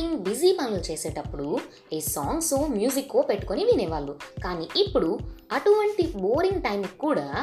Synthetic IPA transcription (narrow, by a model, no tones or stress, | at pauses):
iŋɡbizipɐnɐlt͡ʃeːseːʈɐpːuɽu | eːsaːŋɡsoːmjuːzikːoːpeʈːuko̞niʋinɛʋaːlːukaːniːʔipːuɽuɐʈuʋɐɳʈiboːɾiŋɡʈɐjmikːuːɽaː